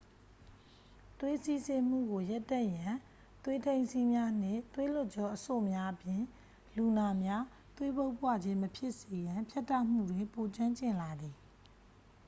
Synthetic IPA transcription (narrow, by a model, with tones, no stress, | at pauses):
t̪we˦si˦˨sɪ̃˨m̥ṵ˦˨ɡo˨ja˦tːɛ̃˦˨jã˨ | t̪we˦tʰẽ˦ɪ̃nsi˦mja˦n̥ɪ̰̃˦˨t̪we˦lʊ˦ʔt͡ɕɔ˦ʔəso̰˦˨mja˦ʔəpjɪ̃˨ | lu˨na˨mja˦ | t̪we˦bo˦ʊpwa̰˦˨d͡ʑɪ̃˦məpʰjɪ˦ʔse˨jã˨mpʰja˦tːa˦˨ʔm̥ṵ˦˨dwɪ̃˨po˨t͡ɕwã˦ɲt͡ɕɪ̃˨nla˨d̪ði˨